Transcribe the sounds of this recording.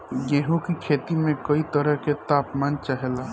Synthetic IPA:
jeɦũkikʰeːt̪imẽkoit̪əɾəɦket̪aːpmaːnt͡ʃaɦɛlaː

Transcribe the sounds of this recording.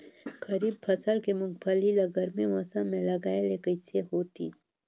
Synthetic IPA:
ɡɐɾiːb̚pʰɐsəlkemʊ̃ŋɡ̚pʰɐlilɐɡəɾmẽʋɐsãmẽlɐɡaːelekəseɦoːt̪ḭ

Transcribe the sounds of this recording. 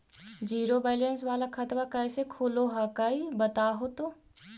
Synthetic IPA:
d͡ʒiːɾobɛːlənsʋaːlakʰɐt̪ʋakɐɪsekʰuːloɦaːkaːibət̪aːɦot̪oː

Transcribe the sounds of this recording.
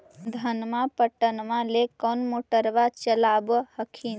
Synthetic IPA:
d̪ʱənmapəʈənmalekɔnmoʈəɾbat͡ʃəlabhəkʰin

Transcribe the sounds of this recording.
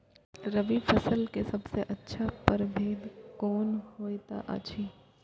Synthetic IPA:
ɾɐʋifʰɐsəlkesɐbseʔɐtːʃʰapəɾbʱeːd̪kɔːnɦoːet̪a̰ʔa̰t͡ʃʰiː

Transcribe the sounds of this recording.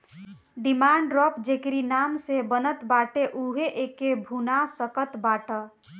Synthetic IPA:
ɖimaɳɖɾɔpd͡ʒekɾinamsebənət̪baʈeʔuɦeʔekebʱunasəkət̪baʈə

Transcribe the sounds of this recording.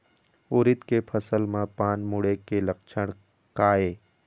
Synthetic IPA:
ʊːɾɪt̪kepʰɐsəlmãpaːnmʊɽekelɐk̚t͡ʃʰəɽ̃ | kaːeː

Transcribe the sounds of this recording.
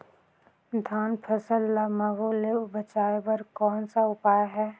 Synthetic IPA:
d̪ʱaːnpʰəsəlːamɐɡoleʊbət͡ʃaːebɐɾkɔːnsaʊpaːjɦɛː

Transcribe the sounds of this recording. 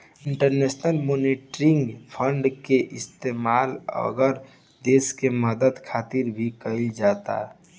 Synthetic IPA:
ɪ̃ɳʈəɾneːsnəlmoːniʈɾɪ̃ŋɡpʰəɳɖkeʔɪst̪eːmaːlə̰ɡəɾ | d̪eːskeməd̪əd̪kʰaːt̪iɾbʱikəild͡ʒaːt̪a̰ɛ

